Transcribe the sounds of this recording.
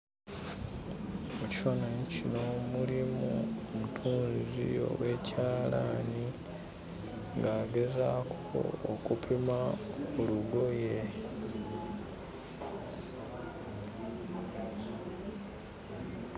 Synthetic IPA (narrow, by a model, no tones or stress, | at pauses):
muci̥fanaɲcino̞mulimṵomutʰuːnzizḭo̞̰we̞ːcaːlani | ŋɡaːɡe̞zakʰo̰okupʰimaoluɡo̞je